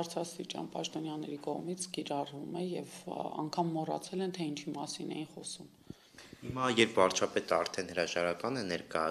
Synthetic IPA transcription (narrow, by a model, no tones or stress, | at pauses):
bɑɾt͡sʰɾɑst̪it͡ʃɑ̰npɑ̰ʃt̪ɔnjɑnɛɾikɔʁmit͡sʰkiɾɑrvumɛjɛvɑ̰ŋkʰɑmːɔrɑ̰t͡sʰɛlɛnt̪ʰɛint͡ʃʰimɑsinɛ̰jinχɔsum | himɑjɛɾpʰvɑɾt͡ʃʰɑpɛt̪əɑɾt̪ʰɛnhəɾɑʒɑɾɑkɑnɛnɛɾkɑjɑ